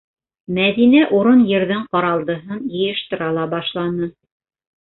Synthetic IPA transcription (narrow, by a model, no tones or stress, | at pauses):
mæðinæʔuɾonjɘ̆ɾðɘɴqɑɾɑlˠd̪ɤ̆ɦɤnjɤ̆jɤ̆ʃt̪ɤ̆ɾɑlˠɑbɑʃlˠɑnɤ